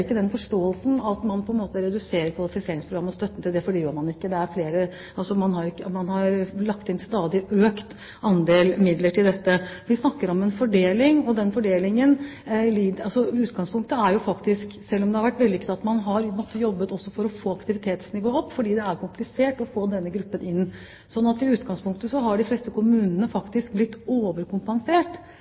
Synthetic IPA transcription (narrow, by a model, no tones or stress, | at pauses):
ɪkːəd̪ɛnfɔʂʈoːəlsn̩ɑt̪mɑnpʰɔɛnmoːt̪əɾɛd̪ʉseːɾəɾkʰʋɑlɪfɪseːɾɪŋspɾʊɡɾɑmːɔst̪œt̪ːənt̪ʰɪld̪ɛfɔɖiːjøəɾmɑnɪkːəd̪ɛæɾfleːɾə | ɑlsɔmɑnhɑɾɪkːəmɑnhɑɾlɑkt̪ɛnst̪ɑːd̪ɪʔøːkt̪ | ɑnd̪eːlmɪd̪ləʈʰɪld̪ɛt̪ːəʋɪsnɑkːəɾɔmɛnfɔɖeːlɪŋɔd̪ɛnfɔɖeːlɪŋənliɑsɔʉːt̪ɡɑŋspʰʊŋk̚t̪əæɾjʊfɑkt̪ɪsksɛlːɔmd̪ɛhɑɾʋæʈːʋɛld̪ɪkt̪ɑt̪mɑnɦɑɾmɔt̪ːəjɔbːət̪ɔsːɔfɔɾɔfoːɑkt̪ɪʋɪt̪ʰeːt̪snɪʋoːɔpːfɔɖiːd̪ɛæɾkʊmplɪseːʈɔfoːd̪ɛnːəɡɾʉpːənʔɪnː | sɔnːɑt̪ːɪʉːt̪ɡɑŋspʰʊŋk̚t̪əsɔɦɑɖɪfleːst̪əkʊmʉːnənəfɑkt̪ɪsk̚blɪt̪ːoːʋəɾkʊmpɛnseːʈ